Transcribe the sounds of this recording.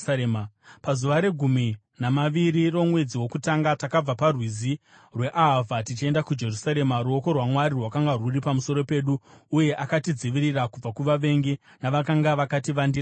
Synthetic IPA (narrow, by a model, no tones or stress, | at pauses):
pazuʋaɾe̞ɡʱumi | namaʋiɾiro̞mwe̞d͡ziwo̞kutaŋɡatakab͡vaparwizi | rwe̞ʔaɦavatit͡ʃie̞ndakud͡ʒe̞rusaɾe̞maɾuo̞ko̞rwamwaɾirwakaŋɡaruripamuso̞ɾo̞pe̞ɗuːje̞ʔakatid͡ziʋiɾirakub͡vakuʋaʋe̞ŋɡe | naʋakaŋɡaʋakatiʋandira